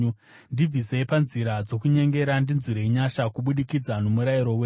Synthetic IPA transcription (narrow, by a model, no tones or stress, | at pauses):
ndib͡vise̞ipanziɾad͡zo̞kuɲe̞ŋɡe̞ɾandinziɾeiɲaʃakuɓuɗikid͡zanomuɾaiɾo̞we